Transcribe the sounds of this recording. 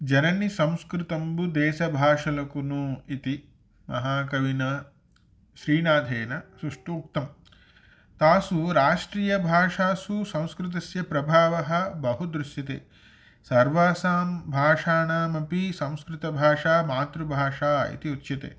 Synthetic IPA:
d͡ʒɐnɐnisɐ̃w̃skɾɪt̪ɐmbud̪ɛːʃɐbʱaːʂɐlɐkunuit̪i | mɐ̰ɦaːkɐʋinɐ | ʃɾiːnaːd̪ʱeːnɐsɾuʂʈuːk̚t̪ɐm | t̪aːsuɾaːʂʈɾiːjɐbʱaːʂaːsusɐ̃w̃skɾɪt̪̬ɐsjɐpɾɐbʱaːʋɐɦɐ̆bɐɦud̪ɾuʃjɐt̪ḛː | sɐɾʋaːsaːmbʱaːʂaːnaːmɐpisɐ̃w̃skɾɪt̪ɐbʱaːʂaːmaːt̪ɾubʱaːʂaːḭt̪iut̪ːʃɐt̪ḛː

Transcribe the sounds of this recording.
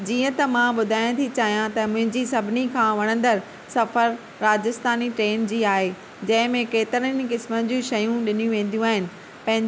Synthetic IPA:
d͡ʑiːə̃t̪ɐmãɓʊd̪ʱaːj̃t̪ʰit͡ɕaːɦijãt̪ɐmʊ̃ɦɪ̃ɲd͡ʑisɐbʱɪnikʰãːʋɐɽ̃ə̃nd̪əɾ | sɐfəɾː | aːd͡ʑɪst̪aːniʈɾeːnd͡ʑiːaːɦe | d͡ʑɐ̃ɦɪ̃mẽkeːt̪ɪɾən̆kɪsmənd͡ʑũʃɐjũɗɪnijũʋẽːn̆d̪ijũaːɦɪnɪ̆ | pɐ̃ɦɪ̃ɲ

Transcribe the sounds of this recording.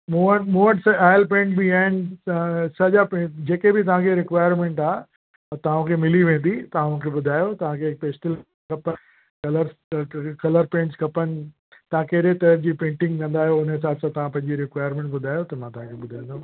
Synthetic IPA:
muːənmũːəʈsaːjəlpẽːɳʈbiaːɦɪnɪ̆ | sɐʄapẽd͡ʑeːkebɪt̪ɐʋ̤ãkʰeɾɪkʋaːjəɾmẽːɳʈaː | t̪ɐʋ̤ãkʰemɪliʋẽːn̆d̪it̪ɐʋ̤ãʊnkʰeɓʊd̪ʱaːjot̪ɐʋ̤ãkʰepeːsʈɪl | kɐpə | kɐləɾkɐləɾpẽːɳʈskɐpənɪ̆ | t̪ɐʋ̤ãkɐɦɾet̪ɐəɾd͡ʑiːpẽːɳʈɪ̃ŋɡkɐ̃nd̪aːɦijoʊnəɪs̬aːd̪sãt̪ɐʋ̤ãpɐ̃ɦɪ̃ɲd͡ʑiɾɪkʋaːjəɾmẽːɳʈbʊd̪ʱaːjot̪ɐmãt̪ɐʋ̤ãkʰeɓʊd̪ʱãĩːnd̪oː

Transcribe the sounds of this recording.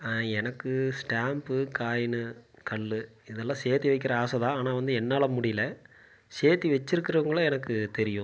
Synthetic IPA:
ɛnɐkːɯsʈaːmpɯkaːjɪnɯ | kɐɭːɯ | ɪðɛlːãːseːt̪iʋɐɪkːɪɾɐaːsɐðãːaːnaːʋɐnd̪ɯɛnːaːlɐmʊɽɪjlɐ | seːɾt̪iʋɛt͡ʃːɪɾɯkːɪɾɐʋɐŋɡɐɭɐ̃ɛnɐkːɯt̪ɛɾɪjʊ̃

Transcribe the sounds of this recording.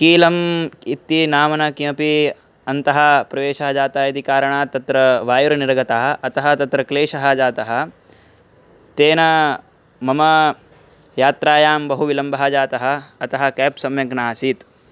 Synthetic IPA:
kiːlɐmit̪ːinaːmɐnɐkiɐpi | ɐnt̪ɐɦɐ̆pɾɐʋeːʃɐɦɐd͡ʒaːt̪ɐɦɐid̪ikaːɾɐɳaːt̪ɐt̪ɾɐʋaːjuɾɐniɾɡɐt̪aːɦɐ̆ʔɐt̪ɐɦɐ̆t̪ɐt̪ɾɐkleːʃɐɦɐ̆d͡ʒaːt̪ɐɦɐ̆ | t̪eːnɐ | mɐmɐ | jaːt̪ɾaːjaːmbɐɦuʋilɐmbʱɐɦɐd͡ʒaːt̪ɐɦɐ̆ːt̪ɐɦɐ̆keːpsɐmjɐɡnaːsiːt̪

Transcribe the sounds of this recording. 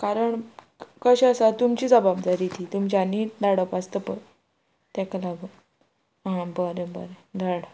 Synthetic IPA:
kaɾəɳ | kəɕeəsat̪umt͡ɕiːd͡zəbabd͡zaɾit̪it̪umt͡ɕanid̪aɽəpast̪əpə̰ɾ | t̪ɛkalaɡu | ɦãbəɾebəɾed̪aɽ

